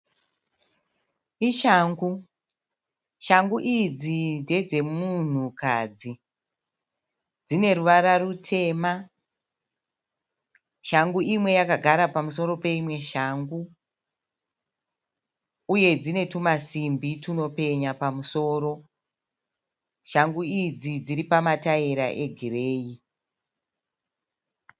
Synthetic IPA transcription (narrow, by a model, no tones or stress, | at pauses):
iʃaːŋɡu | ʃaŋɡuʔid͡zinde̞d͡ze̞mun̤ukaːd͡zi | d͡zine̞ɾuʋaɾarutʰe̞ːma | ʃaŋɡuimwe̞jakaɡʱaɾapamuso̞ɾo̞pe̞imwe̞ʃaːŋɡu | uje̞d͡zine̞tumasimbituno̞pe̞ɲapamuso̞ːɾo̞ | ʃaŋɡuid͡zid͡ziɾipamataiɾa̰ʔe̞ɡʱireːi